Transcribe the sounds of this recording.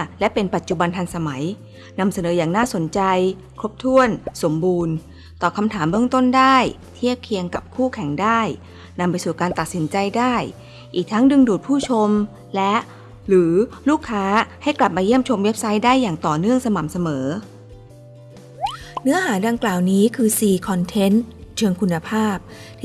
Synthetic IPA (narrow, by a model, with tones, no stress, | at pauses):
lɛ˦˥pe˧npa˨˩t̪̚t͡ɕu˨˩ba˧nt̪ʰa˧nsa˧ma˩˦j | na˧msa˧nɤː˩˦jaː˨˩ŋnaː˥˩so˩˦nt͡ɕa˧j | kʰɾo˦˥p̚t̪ʰu˥˩ənso˩˦mbuː˧n | t̪ɔː˨˩kʰa˧mt̪ʰaː˩˦mbɯ˥˩əŋt̪o˥˩ndaː˥˩j | t̪ʰi˥˩əp̚kʰi˧əŋka˨˩p̚kʰuː˥˩kʰɛ˨˩˦ŋdaː˥˩j | na˧mpa˧jsuː˨˩kaː˧nt̪a˨˩t̪̚si˩˦nt͡ɕa˧jdaː˥˩j | ʔiː˨˩k̚t̪ʰa˦˥ŋdɯ˧ŋduː˨˩t̪̚pʰuː˥˩t͡ɕʰo˧m | lɛ˦˥ʔ | ɾɯː˩˦luː˥˩kʰːaː˦˥ha˥˩jkla˨˩p̚maː˧ji˥˩əmt͡ɕʰo˧mwe˦˥p̚sa˦˥jdaː˥˩jːaː˨˩ŋt̪ɔː˨˩nɯ˥˩əŋsa˧ma˨˩msa˧mɤː˩˦ | nɯ˦˥ɐɦaː˩˦da˧ŋklaː˨˩wniː˦˥kʰɯː˧siː˨˩kʰɔ˧nt̪ʰe˦˥nt͡ɕʰɯ˧əŋkʰu˧nːa˧pʰaː˥˩p̚ | t̪ʰː